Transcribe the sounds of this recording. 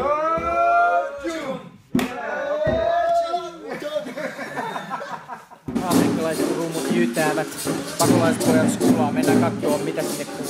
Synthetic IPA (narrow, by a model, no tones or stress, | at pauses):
ɑmrikːɑlɑiset̪ruːmut̪jyːt̪æːʋæt̪pɑkolɑispojɑskulɑːmenːækɑt̪ːoːmmit̪æst̪ek